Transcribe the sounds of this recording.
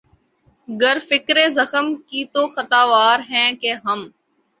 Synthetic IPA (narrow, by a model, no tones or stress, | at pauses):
ɡəɾfɪkɾeːzəxəmkiːt̪oːxət̪aːʋaːɾɦɛ̃ːkeːɦəm